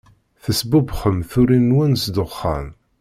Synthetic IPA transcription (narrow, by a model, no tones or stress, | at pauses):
θəsbʊbχəmθʊɾinːwænsd̪ʊχːa̰m